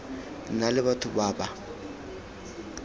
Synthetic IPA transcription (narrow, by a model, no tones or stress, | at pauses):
nalɪβatʰʊbaːɓa